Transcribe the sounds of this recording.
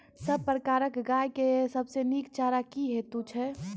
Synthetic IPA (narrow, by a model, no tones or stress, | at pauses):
səb̚pɾəkaːɾəkɡaːjkesəbseniːkt͡ʃaːɾakiɦet̪ut͡ʃʰɛ